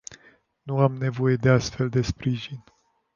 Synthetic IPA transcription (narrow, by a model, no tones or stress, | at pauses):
nuamne̞vo̞je̞d̪e̞ast̪fe̞ld̪e̞spɾiʒin